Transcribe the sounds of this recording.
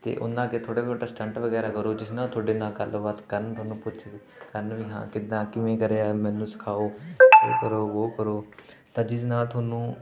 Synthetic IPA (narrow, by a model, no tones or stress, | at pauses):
t̪ḛːʔʊ̰nãːkeːt̪ʰoːɽeːboːʈaːsʈə̃ɳʈʋəɡɛːɾaːkəɾoːd͡ʒɪsnaːt̪ʰoːɽeːnaːkəlʋat̪kəɾənt̪ʰoaːnũːpʊt͡ʃʰː | kəɾənʋiːɦã̰ːkɪd̪ãːkɪʋẽːkəɾeːaːmɛ̃ːnũːsɪ̥kʰaːoːo̰ːkəɾoːʋoːkəɾoː | t̪ãːd͡ʒɪsnaːlt̪ʰoːnũː